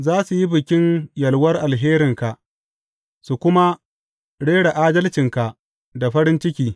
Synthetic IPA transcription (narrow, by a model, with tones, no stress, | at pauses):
zaː˦su˨ji˦bɪ˨kʲɪ˦njɐ˨lwɐ˦rʔa˨lɦeː˦ɾɪ˨ŋka˨ʔ | su˨kʷʊ˦ma˦ | ɽeː˦ɽa˨ʔaː˦dɐ˦lt͡ʃɪ˨ŋka˨ʔ | da˨ɸɐ˦ɾɪ˦nt͡ʃɪ˦kʲiː˦